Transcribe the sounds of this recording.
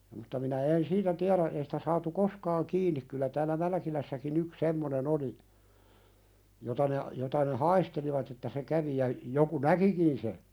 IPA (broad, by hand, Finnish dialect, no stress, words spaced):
mutːɑ minæ en siːtæ tiæɾæ ei si̥tæ sɑːtu koskɑːŋ kiːnˑik kylːæ tæːlæ mælæ̆kilæsːækin yks semːonen oli jotɑ ne jotɑ ne hɑisteliʋɑt etːæ se kæʋi jɑ joku nækikin se